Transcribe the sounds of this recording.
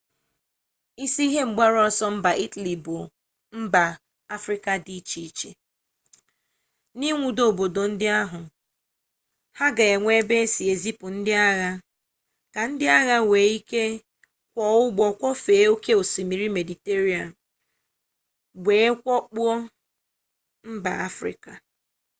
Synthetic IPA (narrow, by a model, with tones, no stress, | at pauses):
i˦si˦i˦ɦe˦ŋ͡m̩˨ɡ͡ba˦ɾɔ˦sɔ˦m̩˦ba˨ʔi˦ta˨li˨bʊ˨ | m̩˦ba˨ | a˦fɾɪ˦ka˦di˦t͡ʃi˨t͡ʃe˨ | ni˦ŋʷu˨do˨bo˨do˨n̩˦dɪ˦a˦ɦʊ˨ | ha˦ɡa˨e˨ŋʷe˦be˦si˨e˨zi˦pʊ˨n̩˦dɪ˦a˦ɣa˦ | ka˨n̩˦dɪ˦a˦ɣa˦weː˨˦i˦ke˦ | kʷɔ˨ʊ˦ɡ͡bɔ˨kʷɔ˦feː˨˦o˦ke˦o˨si˨mi˨ɾi˦me˨di˨te˦ɾi˦a˨n̩˨ | ɡʷeː˨˦kʷɔ˦k͡pu˦ɔ˦ | m̩˦ba̰˨a˦fɾɪ̰˦ka˨